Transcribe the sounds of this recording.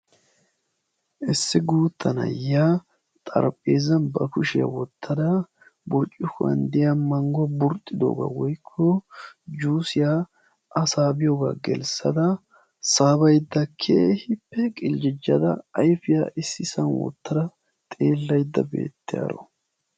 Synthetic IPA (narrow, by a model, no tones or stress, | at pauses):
ʔɪsːɪɡuːt̪ʰːɐnɐ̰ja | t̪ʼɐ̰ɾpʼːeːzɐnbɐkʊʃɪja̰wɔt̪ʰːɐd̪ɐ | bʊɾt͡ʃʼːɪfɐ̰nd̪ɪjɐmɐŋɡɔbʊɾt̪ʼːɪd̪o̰ːɡa̰wɔjkʰːɔd͡ʒuːsɪja | ɐsaːbɪjoɡa̰ɡɛ̰lsɐd̪ɐ | saːbɐjd̪ːɐkʰeːhɪpːɛkʼɪld͡ʒɪd͡ʒːɐd̪ɐɐjfɪjaʔɪsːɪsɐnwɔ̰t̪ːɐd̪ɐ | t̪ʼeːlːɐjd̪ːɐbe̞̰ːt̪ːɪja̰ɾɔ̰